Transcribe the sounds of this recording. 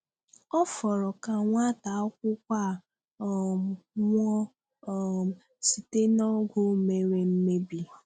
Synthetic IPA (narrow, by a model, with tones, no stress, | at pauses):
ɔ˦fɔ˨ɾɔ˨ka˨ŋʷa˦ta˨˦ɔ˦kʷʊ˦kʷa˦˨ | ŋʷɔ˦˨ | si˨te˦nɔ˦ɡʷʊ˦me˨ɾe˨m̩˦me˦bi˨